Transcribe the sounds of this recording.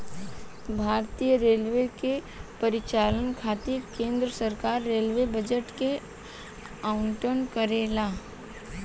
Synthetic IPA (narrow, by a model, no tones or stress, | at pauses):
bʱaːɾt̪ijəɾeːlʋeke | pɐɾɪt͡ʃaːlənkʰaːt̪ikẽːnd̪ɾəsəɾkaːɾːeːlʋebəd͡ʒəʈke | aʊɳʈənkəɾeːlaː